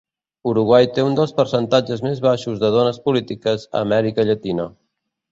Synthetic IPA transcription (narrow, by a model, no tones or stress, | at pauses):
uɾuɣwajt̪eund̪əlˠspəɾsənt̪ad͡ʒəzmezβaʃuzðəð̞onəspulit̪ikəzə̰ːmɛɾikəʎət̪inə